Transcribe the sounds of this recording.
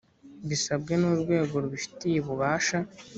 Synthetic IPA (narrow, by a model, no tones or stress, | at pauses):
βisab̚ɡe̞nuɾɡwe̞ːɡo̞ɾuβufi̥tijeβuβaːʃa